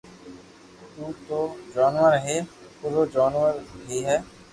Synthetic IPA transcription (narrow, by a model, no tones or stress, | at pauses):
t̪uːt̪oːd͡ʒaːnʋəɾɦeː | pʊɾod͡ʒaːnʋəɾɦiːɦɛː